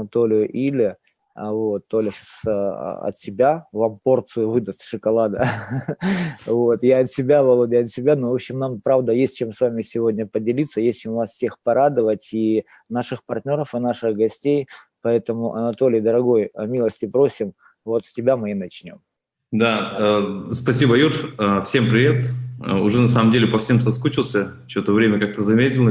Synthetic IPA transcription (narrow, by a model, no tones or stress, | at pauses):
ɐnɐt̪o̞lʲɪjʊʔilʲɪ | vo̞t̪ːolʲəɕasɐ̰t̪sʲɪbʲavampo̞rt̪sɨjʊvɨd̪əsʲt̪ʲʂɨkɐlˠad̪ə | vo̞t̪jaɐt̪sʲɪbʲavɐlˠobʲɪɐt̪sʲɪbʲanovo̞pɕɪmnampɾavd̪əjesʲt̚ʲt͡ɕemsvamʲɪsʲɪvo̞dʲnʲəpədʲɪlʲit̪sːəjesʲɪmʊvasfsʲe̞xpɐɾad̪əvətʲi | naʂɨxpɐrt̪ʲnʲo̞ɾəfɨnaʂɨɣɡɐsʲtʲej | pɐɛt̪əmʊʔɐ̰nɐt̪o̞lʲɪjd̪əɾɐɡo̞jɐmʲilˠəsʲtʲɪpɾo̞sʲɪm | vo̞t̪sʲtʲɪbʲamɨnɐt͡ɕnʲo̞̰m | d̪aəspɐsʲibəjurfəfsʲe̞mpɾʲɪvʲet̪ə̰ʊʐɛnɐsaməmdʲelʲɪpɐfsʲe̞msɐskut͡ɕɪlˠsʲə | t͡ɕɪot̪əvɾʲemʲəkak̚t̪əzɐmʲetʲɪlˠə